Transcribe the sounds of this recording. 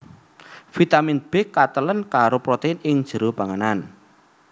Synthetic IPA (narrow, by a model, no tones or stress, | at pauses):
fit̪aminb̥ɛkːat̪ələnkaɾopɾot̪eɪnɪŋd̥ʒ̥ə̤ɾobaŋənan